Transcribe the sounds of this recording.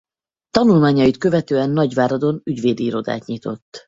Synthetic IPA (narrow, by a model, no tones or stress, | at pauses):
t̪ɒnulmaːɲɒjit̪kø̞vɛt̪øːɛnːɒɟvaːɾɒd̪o̞nyɟveːd̪iːɾo̞d̪a̰ːt̪ɲit̪o̞̰t̪ː